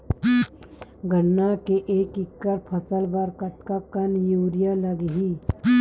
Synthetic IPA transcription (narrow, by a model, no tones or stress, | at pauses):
ɡənːakeʔeːkɪkːəɾpʰəsəlbəɾkət̪kakənjuːɾijaləɡɦiː